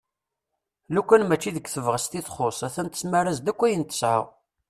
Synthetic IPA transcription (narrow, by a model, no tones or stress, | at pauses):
lukʷːænmæt͡ʃːiðəkʷːθəvʁəst̪iθχosˤæθænt̪ə̥smaɾazd̪ækʷːæjənt̪ə̥sʕə̰ʁ